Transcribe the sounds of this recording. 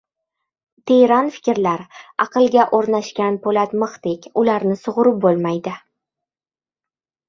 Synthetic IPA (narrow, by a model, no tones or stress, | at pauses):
t̪ʰeɾɒnfɪ̥kʲɪɾlaɾɑqɨlˠɡʲaʔoɾnaʃkʲanpʰolat̪mɨχt̪ekʲʊlaɾnɪsʊʁʊɾɪp̚bolˠmajd̪ɪ